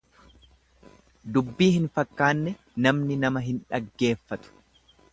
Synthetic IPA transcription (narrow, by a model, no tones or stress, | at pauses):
d̪ʊbːiːhɪnfɐkːaːnːɛ | nɐmnɪnɐmɐɦɪnᶑɐɡːe̞ːfːɐt̪ʊ̥